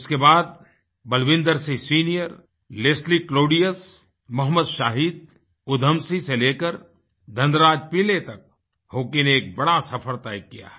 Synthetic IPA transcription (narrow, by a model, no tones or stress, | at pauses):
ʊskebaːd̪̚ | bɐlʋɪ̃nd̪əɾsĩsiːnijəɾ | leːsʈlikloːɖijəs | mɐɦməd̪ʃaːɦiːd̪̚ | ʊd̪ʱəmsiseleːkəɾ | d̪ʱə̃nd̪ɾaːd͡ʒpilet̪ɐk̚ | hoːkineeːk̚bɐɽasɐfʰəɾt̪aːikːija̰ɦɛ